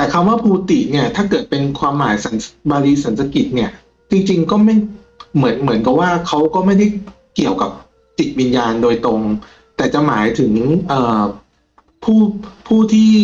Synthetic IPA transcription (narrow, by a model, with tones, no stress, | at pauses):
t̪ɛː˨˩kʰa˧mwaː˥˩pʰuː˧t̪i˨˩t̪̚ni˥˩ɐt̪ʰaː˥˩kɤː˨˩t̪̚pe˧nkʰwaː˧mːaː˩˦jsa˩˦nsbaː˧ɾiː˧sa˩˦nsa˧ki˨˩t̪̚ni˥˩ɐ | t͡ɕi˧ŋt͡ɕi˧ŋkɔː˥˩ma˥˩j | mɯ˩˦ənmɯ˩˦ənka˨˩p̚waː˥˩kʰa˦˥wkɔː˥˩ma˥˩jda˥˩j | ki˨˩əwka˨˩p̚ | t͡ɕi˨˩t̪̚wi˧njaː˧ndoː˧jt̪ɾo˧ŋ | t̪ɛː˨˩t͡ɕa˨˩maː˩˦jt̪ʰɯ˩˦ŋʔɤː˨˩ | pʰuː˥˩pʰuː˥˩t̪ʰiː˥˩